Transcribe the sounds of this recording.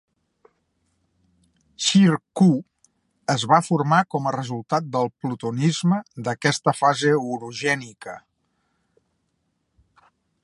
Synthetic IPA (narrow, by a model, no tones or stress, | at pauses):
ʃiɾku | əzβafuɾmakɔmərəzulˠt̪at̪̚d̪əlˠplut̪unizməd̪əkɛst̪əfazeuɾuʒɛnikə